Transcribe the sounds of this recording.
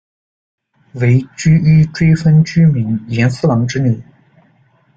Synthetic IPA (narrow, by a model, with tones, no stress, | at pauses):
we˧˥ɪt͡ɕy˥y˥ʈ͡ʂwe˥ɪfə˥nt͡ɕy˥mi˧˥njɛ˧˥nsu˥lɑ˧˥ŋʈ͡ʂɻ̩˥ni˨˩˦